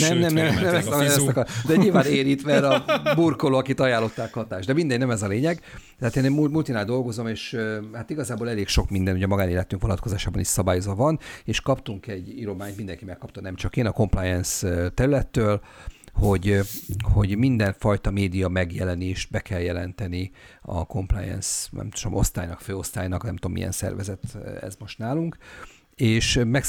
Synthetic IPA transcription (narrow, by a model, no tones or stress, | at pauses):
nɛmnɛmnɛmnɛmɛst̪ɛoɛst̪ɛkd̪ɛɲilvaːneːɾiːt̪mɛɾɒburko̞loɒkit̪ɒjaːlːo̞t̪ːaːkhɒt̪aːʒd̪ɛmind̪ɛɟnɛmɛzɒleːɲɛɡ | t̪ɛaːt̪eːneːmumult̪inaːd̪d̪o̞lɡo̞zo̞meːʃhaːt̪iɡɒzaːboːlɛleːkʃo̞kmind̪ɛnuɟɛmɒɡaːneːlɛt̪yŋkʋonɒt̪̚kozaːʃaːbɒniʃsɒbaːjozʋɒvɒneːʃkɒpt̪uŋkɛɟːiɾo̞maːɲt̪mind̪ɛŋkimɛkːɒp̚t̪ɔnɛmt͡ʃɒkenɒko̞mplajɛnst̪ɛɾylɛt̪ːøːlho̞ɟho̞ɟmind̪ɛɱfɒjt̪ɒmeːd̪ijɒmɛɡjɛlɛneːʃt̪̚bɛkɛljɛlɛnt̪ɛniɒ̰ko̞mpla̰ːjɛ̰nsnɛ̰mt̪o̥ʃomo̞̰st̪aːjnɒkføːo̞st̪aːjnɒknɛmt̪omːḭɛ̰nsɛ̰rvɛzɛt̪ɛ̰zmo̞ʃt̪naːluŋk | eːʃmɛk